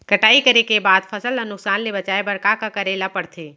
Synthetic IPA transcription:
kəʈaikəɾekebad̪pʰəsələnʊksanlebət͡ʃaebəɽkakəkəɾelapəɽt̪ʰe

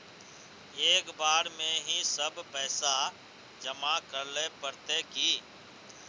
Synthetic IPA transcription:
eːkbaːɾmẽɦĩsəbpɛːsa | d͡ʒəmakəɾlepəɾt̪ekiː

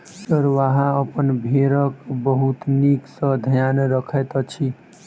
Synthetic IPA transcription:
səɾʋaɦãəpənbʱeɾəkbəɦut̪niksə̃d̪ʱjanɾəkʰɛt̪t͡ʃʰi

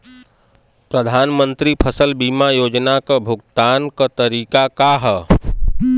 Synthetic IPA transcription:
pɾəd̪ʱaːnmə̃nt̪ɾipʰəsəlbiːmajoːd͡ʒnakabʱʊɡ̚t̪aːnkat̪əɾiːkakaɦɛ

